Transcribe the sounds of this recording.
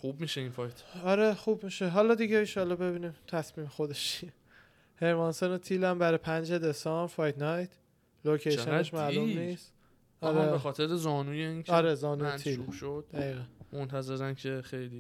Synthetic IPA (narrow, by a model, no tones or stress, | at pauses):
xubmiːʃeinfɒjt̪ʰɒɾe̞xubmiːʃeɦɒːlɒd̪iɟeiʃɒːlɒːbe̞biːniːmt̪ʰæsmiːmexo̞d̪e̞ʃʰie | heɾmɒːnsonet̪ʰilæmbæɾepʰænd͡ʒed̪e̞sɒmbɾfɒjt̪ʰnɒjt̪ʰ | lokʰejʃeneʃmælumniːst̪ | ɒɾebexɒːt̪ʰeɾezɒːnuːjeincʰɒɾezɒːnuːjeiluːbʃod̪̥̚d̪æɣiːɣænmont̪ʰæze̞ɾæncʰe̞xejli